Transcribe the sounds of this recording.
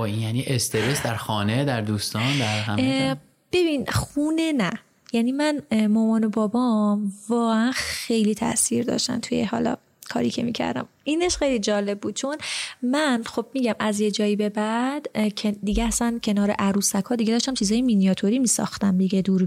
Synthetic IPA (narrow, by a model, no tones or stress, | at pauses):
bɒinjæniʔest̪ʰeɾesd̪æɾxɒːned̪æɾd̪uːst̪ɒnd̪æɾhæ | b̥e̞binxuːnenæ | jæniːmænmɒːmɒːno̞bɒːbɒmvɒːɣeænxe̞jlit̪ʰæ̰ʔsiːɾd̪ɒ̰ʃt̪æ̰nt̪ʰujḛhɒ̰ːlɒ̰ | kʰɒ̰ːɾḭːcʰḛmiːcʰæ̰ɾd̪æ̰m | iːneʃxejlid͡ʒɒːle̞b̚ːuːd̪̥̚t͡ʃʰo̞nmænxo̞b̚miːɟæmæzje̞d͡ʒɒːibe̞bæd̪ʰed̪iɡeæsæncʰe̞nɒːɾeʔæɾuːsækʰɒːd̪iɟe̞d̪ɒːʃt̪æmt͡ʃʰiːzɒːjeminijɒt̪ʰoɾimiːsɒ̰ːxt̪æmd̪iɡed̪uːɾ